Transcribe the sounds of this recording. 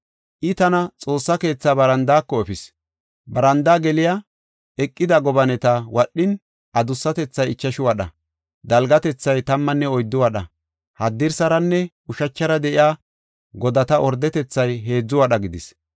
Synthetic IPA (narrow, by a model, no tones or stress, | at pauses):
ʔɪt̪ɐnɐt͡sʼo̞ːsːɐke̞ːt͡sːaːbɐɾɐnd̪aːkːɔɛfɪs | bɐɾɐnd̪aːɡɛlɪja | ɛkʼːɪd̪ɐɡɔbɐnɛt̪ɐwɐɗːɪn | ʔɐd̪ʊsːɐt̪ɛt͡sːɐjɪt͡ʃːɐʃʊwɐɗɐ̰ | d̪ɐlɡɐt̪ɛt͡sːɐjt̪ɐmːɐnːɛɔjd̪ːʊwɐɗɐ | hɐd̪ːɪɾsɐɾɐnːɛ | ʊʃɐt͡ʃːɐɾɐd̪ɛʔɪjaː | ɡɔd̪ɐt̪ɐʔɔɾd̪ɛt̪ɛt͡sːɐjɦe̞ːd͡zːʊwɐɗɐɡɪd̪ɪs